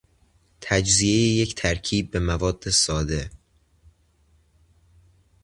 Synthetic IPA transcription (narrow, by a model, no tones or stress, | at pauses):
t̪ʰæd͡ʒziejeject̪ʰæɾcʰiːb̚ːe̞mævɒːd̪ːe̞sɒːd̪e̞